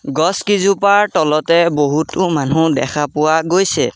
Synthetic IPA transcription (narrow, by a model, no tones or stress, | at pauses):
ɡɔskizupaɹtɔlɔtɛboɦutʊmanudɛ̰xʰapʊwaɡojsɛ